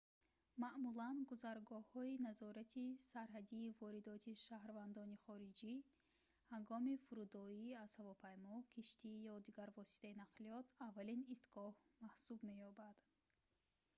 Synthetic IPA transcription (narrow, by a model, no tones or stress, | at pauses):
maʔmulanɡuzaɾɡɔhɔinazɔɾat̪ʰisaɾɦad̪iːvɔɾid̪ɔt̪ʰiʃahɾvand̪ɔniχɔɾid͡ʒi | haŋɡɔmifuɾud̪ɔiaz̥havɔpʰajmɔkʰiʃt̪ʰijɔd̪iɡaɾvɔsi̥t̪ʰainaqliɔt̪ʰavːalinist̪ɡɔhmahsubme̞jɔbad̪̥